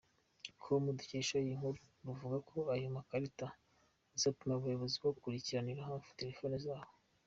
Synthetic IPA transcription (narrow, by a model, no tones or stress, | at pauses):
kʰomuduceːʃajiŋ̥uɾuɾuvuɡakʰo̞ajomakaɾita | zapumaβujoβozibɡoɡukuɾiciɾaniɾaɦaːɱfu̥te̞ɾe̞fonizaːho